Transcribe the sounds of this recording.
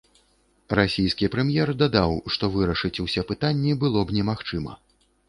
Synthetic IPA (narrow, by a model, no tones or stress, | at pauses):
rasʲijskʲipɾɛmʲjɛrd̪ad̪awʂt̪ɔvɨɾɐʂɨt͡sʲusʲɛpɨt̪anʲːibɨlˠɔbnʲɛmaxt͡ʂɨmɐ̰